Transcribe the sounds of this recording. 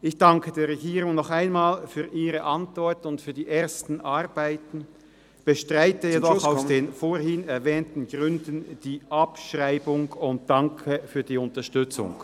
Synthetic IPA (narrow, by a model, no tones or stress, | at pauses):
ʔɪçd̥aŋkʰədeːɐʁɛɡiːʁʊŋnɔχaɪnmaːlfyːɐʔiːʁəʔantv̥ɔɐtʊntfyːɐdiːʔeːɐstn̩ʔaʁb̥aɪtn̩ | b̥əʃtʁaɪtəjedɔχaʊsd̥eːnfoːɐhɪnɛɐvɛːntn̩ɡ̥ʁʏndn̩d̥iːʔapʃʁaɪbʊŋʊnt̚d̥aŋkʰəfyːɐdiːʊntɐʃtʏt͡sʊ̰ŋ